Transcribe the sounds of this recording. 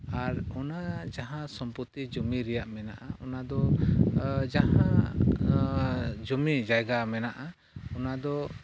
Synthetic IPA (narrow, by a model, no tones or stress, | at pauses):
aɾɔnad͡ʒaɦãsɔmput̪id͡ʒɔmiɾɛjaʔmɛnaʔaɔnad̪ɔ | d͡ʒaɦã | d͡ʒɔmid͡ʒajɡamɛnaʔa | ɔnad̪ɔ